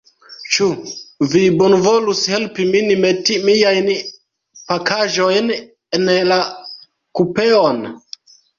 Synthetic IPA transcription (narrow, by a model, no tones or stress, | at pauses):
t͡ʃuvibonvo̞lushe̞lpiminimetimijajn | pakaʒo̞jn | enla | kupe̞on